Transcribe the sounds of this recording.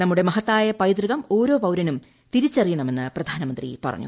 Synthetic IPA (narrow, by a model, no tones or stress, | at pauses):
nɐmːuɽe̞mɐɦɐt̪ːaːjɐpɐjd̪rɨɣɐmo̞ːɾo̞ːpɐwɾɐnum | t̪iɾit͡ɕːɐrijɐɳɐme̞nːɨprɐd̪ʱaːnɐmɐnd̪rḭpɐ̰rɐ̰ɲːṵ